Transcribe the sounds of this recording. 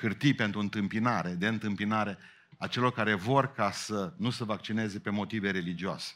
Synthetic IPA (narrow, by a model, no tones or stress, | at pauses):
kɨrt̪ijpe̞nt̪ɾuɨnt̪ɨmpinaɾe̞d̪e̞ɨnt̪ɨmpinaɾe̞ | at͡ʃe̞lo̞rkaɾe̞vo̞rkasənusəvak̚t͡ʃine̞ze̞pe̞mo̞t̪ive̞ɾe̞lid͡ʒioa̰se̥